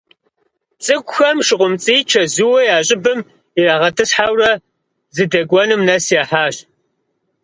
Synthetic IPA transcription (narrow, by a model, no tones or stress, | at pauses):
t͡sʼɨɡʷʊxɐmʃɪʁʷʊmt͡sʼiːt͡ʃʰɐzuwɐjaːɕʼɪbɨm | iraːʁɐtʰɨsħawrɐ | zɨdɐɡʷɔnɨmnɐsjaːħaːɕ